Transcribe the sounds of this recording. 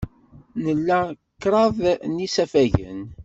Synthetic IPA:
nəlːæ | kːɾˤɑðˤnisæfæʝə̰n

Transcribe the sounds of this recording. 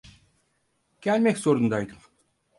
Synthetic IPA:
kʲælʲmekʲsoɾund̪ɑjt̪ɯm

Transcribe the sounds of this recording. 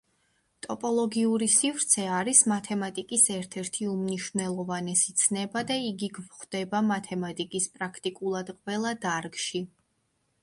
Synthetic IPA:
t̪ʼɔpʼɔlˠɔɡiuɾisivɾt̪sʰɛaɾismat̪ʰɛmat̪ʼikʼisɛɾt̪ʰɛɾt̪ʰiumniʃvnɛlˠɔvanɛsit̪sʰnɛbad̪aiɡiɡvχd̪̥ɛbamat̪ʰɛmat̪ʼikʼispʼɾakʰt̪ʼikʼulˠad̪qʼwɛlˠad̪aɾɡʃi

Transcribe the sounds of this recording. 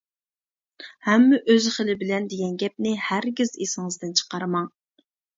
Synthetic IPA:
hɛmːɛʔøzχəlɪbɪlɛnd̪eɡʲɛnɡʲɛp̚nɪhæɾɡʲizesɪŋɨzd̪ɨnt͡ʃʰə̥qɑɾmɑŋ

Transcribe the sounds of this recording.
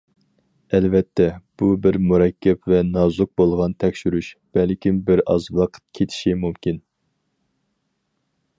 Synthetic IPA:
ɛlvɛt̪ʰːɛb̥ubɪɾmuɾɛkʲʰːɛpvɛnɑzuq̚bolˠʁɑnt̪ʰɛkʲʃyɾyʃb̥ɛlkʲʰimbɪɾɑ̰zwɑqʰə̥t̪̚kʲʰet̪ʰi̥ʃimumkʲin

